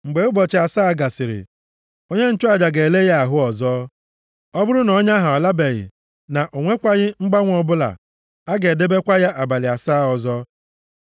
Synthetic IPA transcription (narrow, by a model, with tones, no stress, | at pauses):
ŋ͡m̩˨ɡ͡be˨ʊ˦bɔ˨t͡ʃɪ˨a˨saː˦˨ɡa˨sɪ˨ɾɪ̰˨ | o˦ɲe˦n̩˦t͡ʃʊ˦a˨d͡ʒa˨ɡe˨e˨le˦ja˦a˨ɦʊ˦ɔ˨zɔː˦ | ɔ˦bʊ˦ɾʊ˦nɔ˦ɲa˦ɦa˨ɔ˨la˦be˨ɣɪ̰˨ | na˨ʔo˨ŋʷe˦kʷa˦ɣɪ˦ŋ͡m̩˦ɡ͡ba˦ŋʷ˦ɔ˨bʊ˦la̰˨ | a˦ɡe˨de˦be˦kʷa˦ja˦ʔa˨ba˨lɪ˨a˨saː˦˨ɔ˨zɔ˦